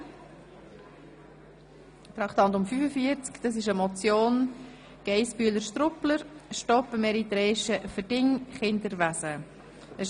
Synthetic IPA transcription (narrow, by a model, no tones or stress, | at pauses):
t̪ɾɑkʰt̪ɑnt̪ʊmfyfəfiəɾt͡skd̥ɑs̬ɪʃəmɔt͡sjoːn | ɡ̥ɛɪspyələɾʃt̪ɾʊpləɾʃtɔpəmɛɾit̪ɾɛːʃəfərdɪŋχɪnd̪əɾʋæsə | ə